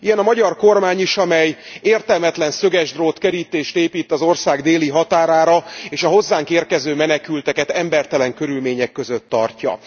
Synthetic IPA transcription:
ijɛnɒmɒɟɒrko̞rmaːɲiʃɒmɛjeːrt̪ɛlmɛt̪lɛnsøɡɛʒd̪roːt̪kɛɾiːt̪eːʃt̪eːpiːt̪ːɒzo̞rsaːɡd̪eːliɦɒt̪aːɾaːɾɒeːʃɒɦo̞zːaːŋkeːrkɛzøːmɛnɛkylt̪ɛkɛt̪ɛmbɛrt̪ɛlɛŋkø̞ɾylmeːɲɛkːø̞zøt̪ːɒ̰rcɒ̰

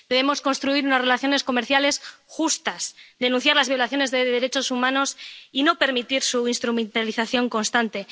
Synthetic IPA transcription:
d̪e̞βemo̞sko̞nst̪ɾuiɾunasre̞laθjo̞ne̞sko̞me̞ɾθjale̞sxust̪asd̪e̞nũn̟θjaɾlazβjo̞laθjo̞ne̞zðeðe̞ɾet͡ʃo̞sumãno̞sino̞pe̞ɾmit̪iɾsuinst̪ɾumẽ̞nt̪aliθaθjo̞ŋko̞nst̪ant̪e̞

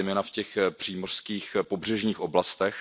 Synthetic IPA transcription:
jmɛːnafcɛxpr̥iːmor̥skiːxpobr̝ɛʒɲiːxʔoblast̪ɛx

